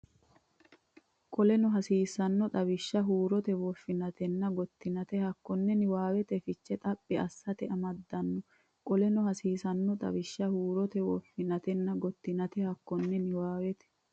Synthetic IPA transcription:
kʼɔlɛnɔɦɐsiːsɐnːɔt̪ʼɐβɪʃːɐɦuːɾɔt̪ɛwɔfːɪnɐt̪ɛnːɐɡɔt̪ːɪnɐt̪ɛhɐkːɔnːɛnɪwaːwɛt̪ɛfɪt͡ʃːɛt̪ʼɐpʼːɪɐsːɐt̪ɛʔɐmɐd̪ːɐnːɔ | kʼɔlɛnɔhɐsiːsɐnːɔt̪ɐ̰bɪʃːɐhuːɾɔt̪ɛwɔfːɪnɐt̪ɛnːɐɡɔt̪ːɪnɐt̪ɛhɐkːɔnːɛnɪwaːwɛt̪ɛ̥

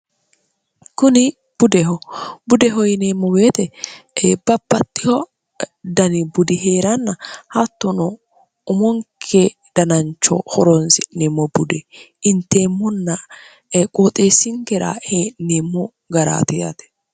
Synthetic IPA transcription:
kʊnɪ | b̥ʊd̪ɛhɔbʊd̪ɛɦɔjneːmːɔweːt̪ɛ | b̥ɐpːɐt̪ːɪhɔ | d̪ɐnɪbʊd̪ɪɦe̞ːɾɐnːɐhɐt̪ːɔnɔ | ʊmɔŋkʰe | d̪̥ɐnɐnt͡ʃːɔ̰hɔɾɔnsɪnemːɔbʊd̪ɛɪnt̪ːeːmːɔnːɐ | kʼot̪ʼeːsɪŋɡɛɾa̰heːneːmːɔ | ɡɐɾa̰ːt̪ɪja̰t̪ɛ̥

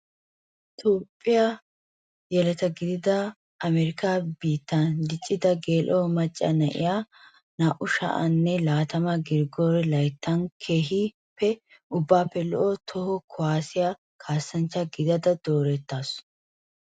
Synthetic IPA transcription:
ʔɪt̪oːpʼːɪja | jɛlɛt̪ɐɡɪd̪ɪd̪ɐ | ʔɐmɛɾɪkaːbiːt̪ːand̪ɪt͡ʃʼːɪd̪ɐɡeːlʔoːmɐt͡ʃʼːɐ̰nɐʔɪ̰jaː | naːʔʊʃɐ̰ʔɐ̰nːɛlaːt̪ɐmɐɡɪɾɡoːɾɛlɐjt̪ːɐnkʰe̞ːɦɪ | pːɛ | ʊbːaːpːɛlɔʔɔt̪ʰɔhɔkʰɔwaːsɪjaː | kʰaːsːɐnt͡ʃːɐɡɪd̪ɐd̪ɐd̪̥o̞ːɾɛt̪ːaːs

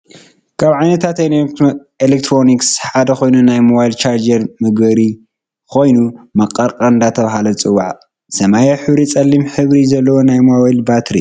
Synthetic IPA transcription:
kʰaβʕajnɐt̪ʰat̪e | elek̚t̪ʰɾo̞niksħad̪ɐxo̞jnunajmoβajilt͡ʃʰaɾd͡ʒɐɾmɨɡbɐɾi | kʰo̞jnumɐqʼːɐɾkʼɐnd̪at̪ʰɐβaɦalɐt͡sʼɨwːaʕ | sɐmajɐħɨβɾit͡sʼɐlːimħɨβɾizɐlːɐwonajmoajlbat̪ʰɾḭ

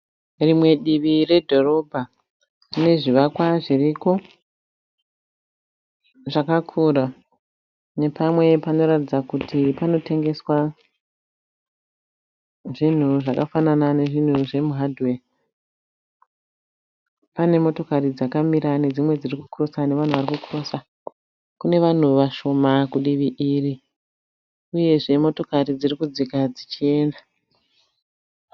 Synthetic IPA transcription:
rimwe̞ɗiʋire̞dʱo̞ro̞bʱa | ne̞ʐiʋakwaʐiriko̞ | ʐakakʰuːra | ne̞pamwe̞pano̞ɾatid͡zakutʰipano̞te̞ŋɡe̞swa | ʐin̤uʐakafananane̞ʐin̤uʐe̞muɦadʱwe | pane̞mo̞to̞karid͡zakamiɾane̞d͡zimwe̞d͡zirikukuro̞sane̞ʋan̤uʋarikukuro̞sa | kune̞ʋan̤uʋaʃo̞makuɗiʋiʔiːri | uje̞ʐe̞mo̞to̞karid͡zirikud͡zikad͡zit͡ʃie̞ːnda

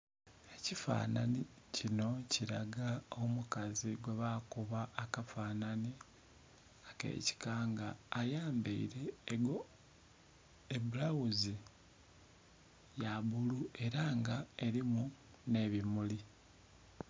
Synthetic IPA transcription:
e̞cifa̰ːna̰ni | cino̞ciɾaɡaomukaziɡwe̞βakuβaʔːkafaːnani | ake̞̰ːci̥kaːŋɡaːjaːmbeiɾe̞ɡo | ebulawuzi | jaβulue̞ɾaŋɡae̞ɾimu | ne̞βimuli

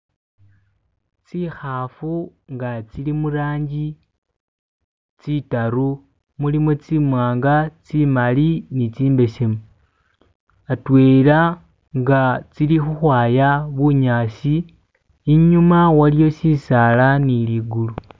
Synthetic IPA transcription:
t͡sixafuŋɡat͡silimuɾaːɲɟi | t͡sitaɾu | mulimot͡simwaːŋɡat͡simalinit͡siːmbe̞semu | atwe̞ːla | ŋɡat͡silixuxwaːjaβuɲaːsiː | ɲumawalijo̞sisalaniliɡulu

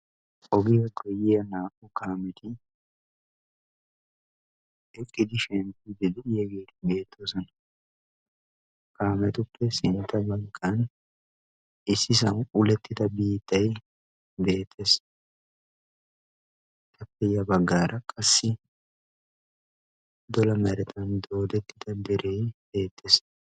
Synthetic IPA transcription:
ɔɡɪjɐkʼɔjɪɐnaːkːʊkaːmɛt̪ɪ | ɛkʼːɪd̪ɪʃɛnt̪ɪd̪ɪd̪ɪjɛɡe̞ːt̪ɪbe̞ːt̪ʰːosɔnɐ | kaːmɛt̪ʊpʰːɛsɪnt̪ːɐbɐlkʼːɐn | ɪsːɪsɐwʼʊlɛt̪ːɪd̪ɐbiːt̪ːɐj | be̞ːt̪ʰːeːs | t̪ɐpːɛjɐbɐɡːaːɾʔɐkʼɐsːɪ | d̪ɔlɐmɛɾɛt̪ʰɐnd̪o̞ːd̪ɛt̪ːɪd̪ɐd̪ɛɾejbe̞ːt̪ʰːeːs

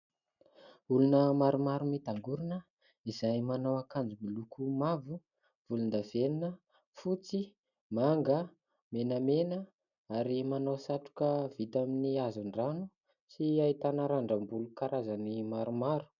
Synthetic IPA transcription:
ulunəmaɾumaɾumit̪aŋɡuɾinə | izajmanawakand͡zimulukʰumavu | v̥ulund̪aveninə | fut͡si | maŋɡə | menəmenə | aɾimanawsaʈ͡ʂu̥kəv̥it̪aminiazuɳɖ͡ʐanu | siait̪anaɾaɳɖ͡ʐəmbulukaɾazanimaɾumaɾu̥

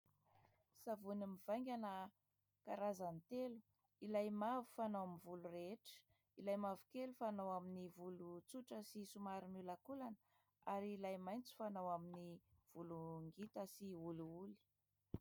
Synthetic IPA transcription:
savunimiv̥ajŋɡʲanə | kaɾazant̪elu̥ | ilajmavu̥fanowmivulureʈ͡ʂə̥ | ilajmavu̥kelufanawaminivulut͡suʈ͡ʂəsisumaɾimulakulanə | aɾiːlajmajnt͡su̥fanawaminiv̥uluŋɡit̪əsiuluuli̥

